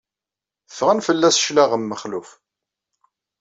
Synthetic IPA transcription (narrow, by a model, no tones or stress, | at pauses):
θəfʁənfəlːæsʃlæʁəmːəχluf